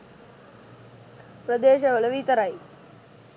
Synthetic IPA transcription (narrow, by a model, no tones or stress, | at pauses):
pɾɐd̪eːɕɐʋɐlɐʋiːt̪ɐɾaj